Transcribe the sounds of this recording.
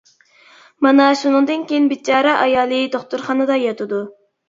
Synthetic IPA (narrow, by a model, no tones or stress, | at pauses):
mɑnɑʃunɨŋd̪ɨnkʲejinbɪt͡ʃʰɑːɾɛʔɑjɑːlˠɨd̪oχt̪uɾχɑnɨd̪ɑjɑt̪ʰɨd̪u